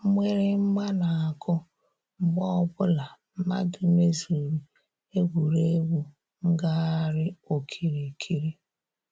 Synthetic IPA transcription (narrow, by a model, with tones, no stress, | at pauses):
mʷe˦ɾɪ˦ŋ͡m̩˦ɡ͡ba˦na˨a˨kʊ˦ | m̩˦ɡ͡bɔ˦ɔ˦bʊ˦la˨m̩˦ma̰˦dʊ˦me˦zu˨ɾi˨ | e˦ɡʷu˨ɾe˦ɡu˨ | ŋ̩˦ɡa˦a˦ɾɪ˦o˨kʰi˨ɾi˨kʰi˦ɾi˦